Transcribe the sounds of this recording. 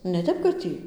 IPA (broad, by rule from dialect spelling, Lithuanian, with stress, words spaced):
nʲɛ ˈtʲɛp kɐt ˈtʲiː